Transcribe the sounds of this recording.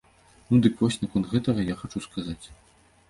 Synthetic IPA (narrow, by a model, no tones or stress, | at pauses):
nud̪ɨkvɔsʲnɐkɔntd̪ɣɛt̪ɐɣɐjaxat͡ʂuskʰazat͡sʲ